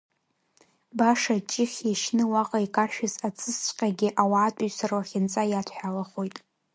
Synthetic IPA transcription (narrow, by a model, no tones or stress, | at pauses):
baʂat͡ʃʼɪχʲiʃnɨwaqʼaikʼaʃᶣɪzat͡sʼɨst͡ɕʷʼqʲʼaɡʲɪʔawaʕːtʼʊɥsarwaχʲɪnt͡sʼajatʷʰħᶣalaχojtʼ